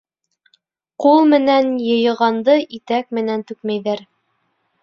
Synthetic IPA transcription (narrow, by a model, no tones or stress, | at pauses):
qulˠmɘ̆nænjɤ̆jɤ̆ʁɑnd̪ɤʔit̪æk̚mɘ̆nænt̪ʉkmæjðæɾ